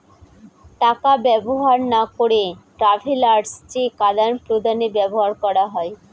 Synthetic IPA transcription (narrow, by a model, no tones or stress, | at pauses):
ʈakabɛboɦaɾnakoɽeʈɾafʰilaɾɖst͡ɕikad̪anpɾod̪ʱanebɛboɦaɾkɔɽaɦɔe